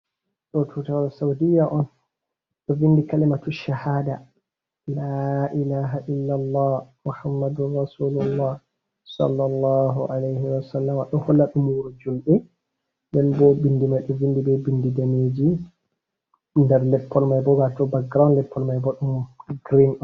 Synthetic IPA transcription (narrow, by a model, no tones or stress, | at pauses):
ɗɔtʰutawasawdijːaʔɔn | ɗɔvindikalimatuʃahaːda | laʔilaːɦaʔilːalˤːɑːhmuħamːadunːɑsuːlulːɑːh | sɑ̰lːɑlːɑːɦuʕalejhiwasalːamaɗɔhɔlːaɗumuɾud͡ʒulɗɛ | ndɛnbɔbindimajɗɔvindibɛbindidameːd͡ʒi | ndɛɾlɛpːɔlmajbɔɡatɔbak̚ɡɾanlɛpʰːɔlmajbɔɗumɡɾinɔn